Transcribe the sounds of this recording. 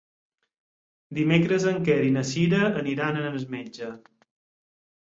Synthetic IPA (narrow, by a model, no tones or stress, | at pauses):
d̪imekɾəzəŋkɛɾinəsiɾəːniɾanənənəzmɛd͡ʒə